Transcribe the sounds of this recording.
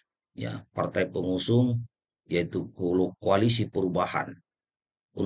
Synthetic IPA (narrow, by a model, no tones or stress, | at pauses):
ja̰part̪ajpəŋusʊŋ | ijait̪ukolukːoalis̬ipəɾubaha̰n | un